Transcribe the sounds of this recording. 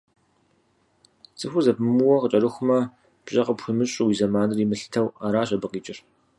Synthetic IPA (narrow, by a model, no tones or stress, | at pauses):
t͡sʼɨxʷʊzɐbɨmuwɐqət͡ʃʼɐɾɨxʷʊmɐ | b̥ɕʼɐqəpxʷʊmɨɕʼɪwiːzɐmaːnɨrimɨɬɨ̥tʰɐwaːɾaːɕ̬ʼɐbɨqiːt͡ʃʼɪr